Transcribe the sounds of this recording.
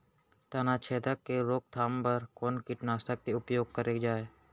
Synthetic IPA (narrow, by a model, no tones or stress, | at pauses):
t̪ɐnaːt͡ʃʰeːd̪əkːeɾoːk̚t̪ʰaːmpɐɾkoːnkɪʈnaːsʈ̪əkːeʊpjoːɡ̚kəɾeːd͡ʒaːeː